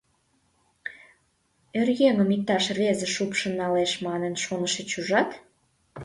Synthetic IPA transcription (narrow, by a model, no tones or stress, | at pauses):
erjeŋəmik̚t̪ɑʃvezə̆ʃupʃə̆nɑleʃmɑnənʃonəʃet͡ɕuʒɑt̪